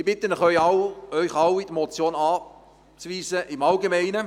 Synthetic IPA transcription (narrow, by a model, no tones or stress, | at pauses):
ɪbɪt̪ənəχœjɑwœʏχɑwid̪mɔt͡sjoːnɑː | t͡sʋiːsəʔɪmɑlɡemɛɪnə